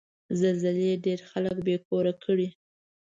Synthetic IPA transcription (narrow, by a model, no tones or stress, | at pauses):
zalzɪleɖeɾxaləkbekoɾakʰəɽi